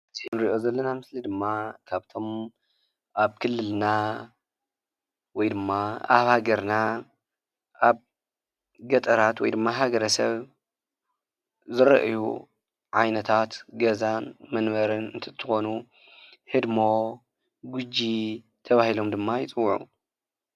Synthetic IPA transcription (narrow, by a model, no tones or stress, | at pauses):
ɨzʰinɾiʔo̞zɐlːɐnamɨslid̪ɨmːakʰaβt̪ʰo̞m | ʔaβkʰɨlːɨlna | wɔjd̪ɨmːaa̰βhaɡɐɾna | ʔaβ | ɡɐt̪ʼɐɾat̪wɔjd̪ɨmːaɦaɡɐɾɐsɐ̰β | zɨɾɐ̰ʔjṵ | ʕajnɐt̪ʰat̪ɡɐzanmɐnβɐɾɨnɨnt̪ʰɐt̪ʰːɨxo̞nu | hɨd̪mo̞ | ɡud͡ʒi | t̪ʰɐβahilo̞md̪ɨmːajɪt͡sʼɨwːʕṵ